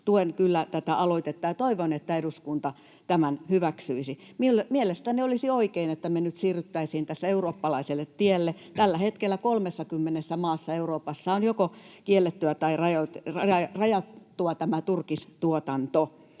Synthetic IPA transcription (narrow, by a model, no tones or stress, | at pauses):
t̪uenkylːæt̪æt̪æʔɑloit̪et̪ːɑjɑt̪oiʋonet̪ːæeduskunt̪ɑ | t̪æmænhyʋæksyisi | miulːmielest̪æniolisioikeinet̪ːæmenyt̪siːryt̪ːæisiːnt̪æsːeuroːpːɑlɑiselːet̪tielːe | t̪ælːæhet̪kelːˑækolmesːɑkymːenesːæmɑːsːɑeuroːpɑsːɑonjokokielːet̪ːyæt̪ɑirɑjot̪rɑjɑrɑjɑt̪ːuɑt̪æmæt̪urkist̪uot̪ɑnt̪o